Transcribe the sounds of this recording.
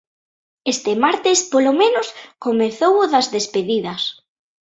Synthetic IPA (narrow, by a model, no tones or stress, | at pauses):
est̪emaɾt̪ɪspolomẽnʊskomeθowʊðɐzðespeðiðɐs